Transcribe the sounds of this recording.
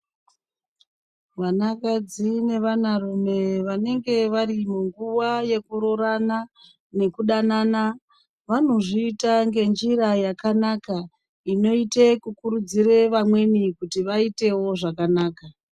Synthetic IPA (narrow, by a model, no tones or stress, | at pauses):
ʋanakad͡zine̞ʋanarume̞ʋane̞ŋɡe̞ʋarimuŋɡuʋaje̞kuɾo̞ɾana | ne̞kuɗanaːna | ʋano̞ʐiːtaŋɡe̞nd͡ʒiɾajakanaka | ino̞itekukuɾud͡ziɾe̞ʋamwe̞nikutiʋaite̞wo̞ʐakanaːka